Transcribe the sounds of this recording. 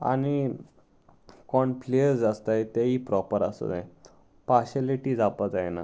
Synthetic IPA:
a̰ñi | kɔɳplejəɾd͡zast̪ajt̪aipɾɔpəɾə̰sə̰d͡zaẽ | paɕaliʈiːd͡zapad͡zajena̰

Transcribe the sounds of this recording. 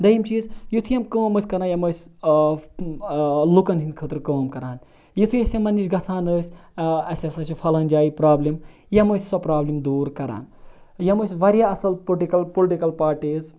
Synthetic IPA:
d̪ɐjimt͡ʃiːzjut̪ʰjɐmkəːmɐsʲkɐɾaːnjɐməːsʲ | lukɐnɦinkʰəːt̪ɾkəːmkɐɾaːn | jit̪ʰujɐsʲɐmɐniʃɡɐsʰaːnəːsʲɐsʲɐsɐt͡ʃʰifʰɐlɐːnd͡ʒaːjipɾaːblim | jɐməsʲsɔpɾaːblimd̪uːɾkɐɾa̰ːn | jɐməsʲʋɐɾjaːɐsɐlpoʈikɐlpolʈikɐlpaːɾʈiːz

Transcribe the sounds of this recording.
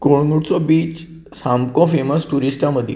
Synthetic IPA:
koɭŋuʈt͡sɔbiːt͡ɕ | samkɔ̃feməsʈuɾisʈaməd̪ʱjḛ

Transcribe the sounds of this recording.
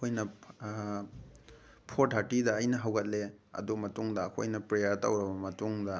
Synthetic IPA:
ɐkʰojnɐ | pʰoɾtɦatidɐːjnɐɦɐwɡɐt̚leɐ̰dumɐtuŋdɐːkʰo̰jnɐpɾejɐɾtɐwɾɐbɐmɐtuŋdɐ

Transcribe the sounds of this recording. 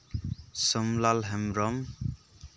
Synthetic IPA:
sʌmlalɦɛmɾɔm

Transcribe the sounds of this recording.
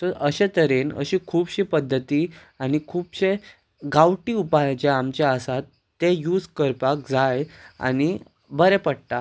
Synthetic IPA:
t̪əɾʔəɕet̪əɾenə̰ɕikʰuːbɕipəd̪ʱːət̪iː | añikʰuːbɕe | ɡawʈiːupajt͡ɕeamt͡ɕaəsat̪ːejuːd͡zkəɾpak̚d͡zaja̰ñi | bəɾepəɽt̪a

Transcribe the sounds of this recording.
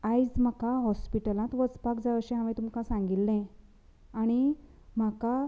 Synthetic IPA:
ajd͡zm̤akaɦɔspiʈəlãt̪ʋət͡spakd͡zaəɕẽɦamẽt̪umkãsãŋɡilːẽ | aɽ̃i | m̤aka

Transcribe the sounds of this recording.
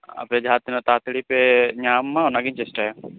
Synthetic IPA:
a̰pjad͡ʒʱat̪inat̪aːt̪ɽipɛɲaːmːãnaɡiɲt͡ʃɛsʈaa

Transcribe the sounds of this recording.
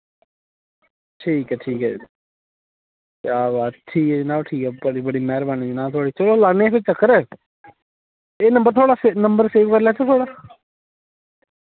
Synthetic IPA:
ʈʰiːkɛːʈʰiːkɛ̰ː | aːbaːt̪ʈʰiːkɛːnãːʈʰiːkɛbəɽiːbəɽiːmɛːɾbaːniːd͡ʒinãːt̪ʰoːɽiːt͡ʃəloːlaːnẽpɪt͡ʃəkːəɾɛː | eːnə̃mbəɾt̪ʰoːɽaːsenəmbəɾseːʋkəɾlɛːt͡ʃʰat̪ʰoːɽaː

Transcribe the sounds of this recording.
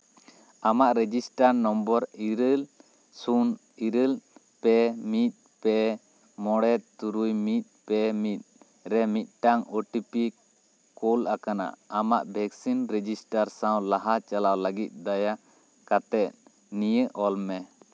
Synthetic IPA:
amaʔɾɛd͡ʒisʈaɾnɔmbɔɾiɾəl | sun | iɾəl | pɛmit̪̚ˀ | pɛ | mɔɽɛt̪t̪uɾujmit̪̚pɛmit̪̚ | ɾɛmit̪̚ˀʈaŋɔʈipi | kɔlʔakana̰ʔamaʔbʱɛksinɾɛd͡ʒisʈaɾsaw̃laɦat͡ʃalawləɡit̪̚ˀd̪aja | kat̪ɛt̪̚ | nijəʔɔlmɛ

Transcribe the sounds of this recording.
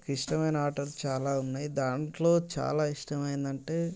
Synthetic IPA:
kiʂʈɐmɐjnɐaːʈɐɾlt͡ʃaːlaːunːaːjid̪aːɳʈlo̞ːt͡ʃa̰ːlaːiʂʈɐmɐjind̪ɐɳʈe̞ː

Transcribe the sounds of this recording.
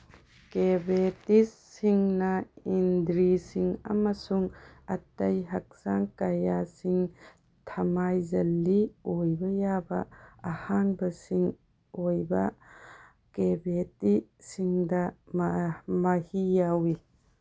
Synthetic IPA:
kebetisːiŋnɐind̪ɾisiŋɐ̰mɐsuŋɐtɐjɦɐk̚saŋkɐjasiŋ | tʰɐmajzɐlːiojbɐjabɐːhaŋbɐsiŋ | ojbɐ | kebetisiŋdɐmmɐhijawi

